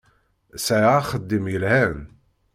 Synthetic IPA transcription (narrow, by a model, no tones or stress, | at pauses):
sæjχəd̪ːimjəlhæn